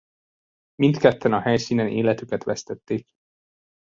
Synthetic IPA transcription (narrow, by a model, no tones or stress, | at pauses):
mint̪kɛt̪ːɛnɒhɛjsiːnɛnʔḛːlɛt̪ykɛt̪ʋɛst̪ɛt̪ːeːk